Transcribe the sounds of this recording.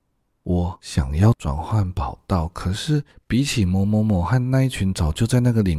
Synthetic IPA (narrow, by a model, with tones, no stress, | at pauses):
wɔ˨˦ɕjɑ̰˨˩ŋjɑ˥˩ʊt͡swa̰˨˩nxwa˥˩npɑ˨˩ʊt̪ɑ˥˩ʊkʰɤ˨˩ʂɻ̩˥˩pi˧˥t͡ɕʰi˨˩mwɔ˧˥mɔ˧˥mɔ˧˥xa˥˧nna˥˧i˥˩t͡ɕʰy˧˥nt͡sɑ˨˩ʊt͡ɕjo˥˧ʊt͡sa˥˧ɪna˥˩ɡə˨li˨˩